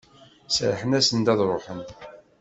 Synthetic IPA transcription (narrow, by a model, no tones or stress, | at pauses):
sɾħənæsənd̪ɑðˤɾˤoħən